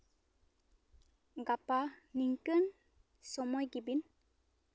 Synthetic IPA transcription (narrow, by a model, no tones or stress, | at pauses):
ɡapaniŋkən | sɔmɔjɡibin